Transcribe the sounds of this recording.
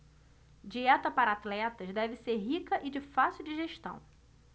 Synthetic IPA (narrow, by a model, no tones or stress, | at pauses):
d͡ʒiɛt̪ɐpaɾɐat̪lɛt̪ɐzd̪ɛvɪseɾɦikɐʔɪd͡ʒɪfasiuwd͡ʒiʒeʃt̪ɐ̰̃w̃